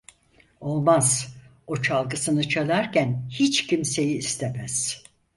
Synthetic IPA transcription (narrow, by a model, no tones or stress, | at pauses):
o̞lˠmaz̥ | o̞t͡ʃʰalˠɡɯsɯnɯt͡ʃʰalˠaɾcænhit͡ʃcʰimse̞jiːst̪ʰemæz̥